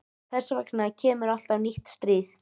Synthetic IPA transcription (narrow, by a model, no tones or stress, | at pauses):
θɛsavɛknacʰɛːmʏɾal̥t̪awniht̪st̪ɾɪθ